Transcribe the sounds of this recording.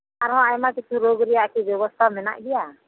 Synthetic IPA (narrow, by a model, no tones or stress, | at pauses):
aɾɦɔ̃amakit͡ʃʰuɾoɡɾɛjaʔkibjɔbɔst̪ʰamɛna̰ʔɡɛja